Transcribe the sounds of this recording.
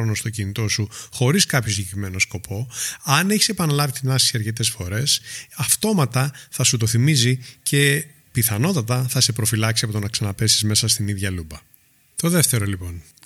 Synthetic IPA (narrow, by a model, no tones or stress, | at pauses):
ono̞st̪ocinit̪o̞suxo̞ɾiskɐpço̞siɟekɾime̞no̞sko̞pʰo̞ɐneçi̥se̞pɐnɐlɐvit̪inɐssiɐɾce̞t̪e̞sfo̞ɾe̞sɐft̪o̞mɐt̪ɐθɐsut̪o̞θimizice̞ | piθɐno̞t̪ɐt̪ɐθɐse̞pɾo̞filɐksiɐpot̪o̞nɐksɐnɐpe̞si̥zme̞sɐst̪iniðʝɐlubɐ | t̪o̞ðe̞ft̪e̞ɾo̞lipo̞n